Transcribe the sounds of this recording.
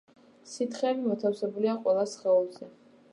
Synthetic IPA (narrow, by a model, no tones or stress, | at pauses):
sit̪ʰχɛːbimɔt̪ʰafsɛbuliaqʼwɛlˠasχɛɔlˠzɛ